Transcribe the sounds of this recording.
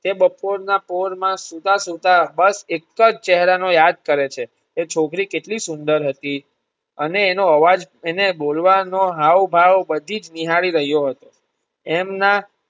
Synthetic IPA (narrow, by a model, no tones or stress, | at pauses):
t̪ebəpoɾnapoɾmãsut̪asut̪abəsekːəd͡ʒt͡ʃɛɦɾanojad̪̚kəɾet͡ʃʰeː | t͡ʃʰokɾikeʈlisʊnd̪əɾɦət̪i | əneːnoəʋad͡ʒ | enebolʋanoɦaʋbʱaʋbəd̪ʱid͡ʒniɦaɭiɾəɦjoɦət̪o | emna